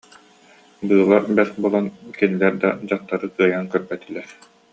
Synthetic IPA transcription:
bɯːlˠaɾbɛsbuɔlˠankɛnilɛɾd̪a̰d͡ʑaqt̪ːaɾɯkɯɐjankœɾbɛt̪ilːɛɾ

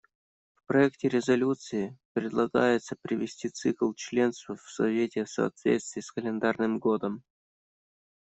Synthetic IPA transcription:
fpɾɐɛktʲɪɾʲɪzɐlʲut̪sɨɪpɾʲɪd̪lˠɐɡa̰jɪt̪səpɾʲɪvʲɪsʲtʲit̪sɨklˠt͡ɕlʲe̞nst̪vəfsɐvʲetʲɪsɐ̰ːt̪vʲet̪st̪vʲɪːskəlʲɪnd̪arnɨmɡo̞d̪əm

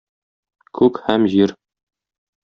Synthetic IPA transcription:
kʰʉkhæmʑiɾ

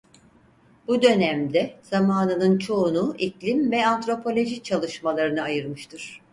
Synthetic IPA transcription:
bud̪ø̞næmd̪ɛz̥amaːnɯnɯnt͡ʃʰo̞ːnuʔiclʲimvɛant̪ɾo̞pʰo̞lʲo̞ʒit͡ʃʰalˠɯʃmalˠaɾɯnɯajɯɾmɯʃt̪ʰɯɾ̥

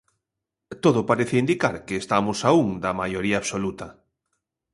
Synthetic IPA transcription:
t̪oðʊpaɾeθeind̪ikaɾkeːst̪amʊsauŋd̪ɐmajoɾiaːβsolut̪ɐ

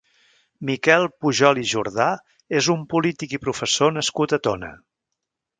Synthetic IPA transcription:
mikɛlˠpuʒɔliʒuɾða | ezumpulit̪ikipɾufəsonəskut̪ət̪onə̰

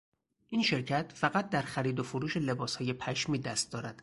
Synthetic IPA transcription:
ʔinʃe̞ɾcʰæt̪ʰfæɣæt̪̚d̪æɾxæɾiːd̪ofoɾuːʃe̞le̞bɒːshɒːje̞pʰæʃmiːd̪æst̪̚d̪ɒːɾæd̪̥

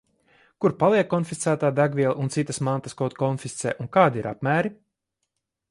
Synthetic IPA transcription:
kuɾpalˠiɛkːɔnfist̪sæːt̪aːd̪æɡvʲiɛlˠʔunt̪sit̪ːəsmãnt̪askɔt̪kɔnfist̪sɛ̰ːʔunkaːd̪iiɾa̰pmæːɾi

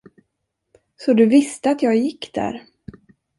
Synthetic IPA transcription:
sɔd̪ɵvɪst̪əat̪jɑːɡjɪkːd̪̥æ̰ɾ

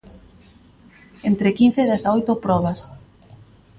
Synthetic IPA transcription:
ent̪ɾekin̟θeːðeθaojt̪opɾɔβas

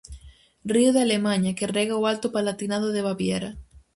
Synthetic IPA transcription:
riʊðalemaɲɐkerɛɣaoalt̪ʊpalat̪inaðʊðeβaβjɛɾɐ

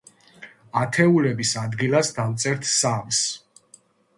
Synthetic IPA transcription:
at̪ʰɛulɛbisad̪ɡilasd̪amt̪sʼɛɾt̪ʰsams

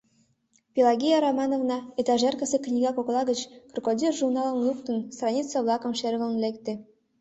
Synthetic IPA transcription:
pʲilˠɑɡʲejaɾomɑnovnɑet̪ɑʒerkəseknʲiɣɑkoklˠɑɣət͡ɕkrkodʲirʒurnɑlˠə̆mlˠukt̪ənst̪rɑnʲit͡səβlˠɑkə̆mʃerɣə̆lnlekt̪ĕ

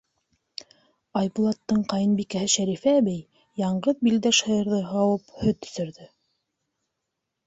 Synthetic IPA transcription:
ɑjbulˠɑt̪ːɤɴqɑjɤnbikæɦɘʃæɾifæβɘj | jɑɴɢɤðbild̪æʃhɤ̆jɤ̆ɾðɤɦɑwɤphɵt̪ːɵ̥̆sɘ̆ɾðɵ

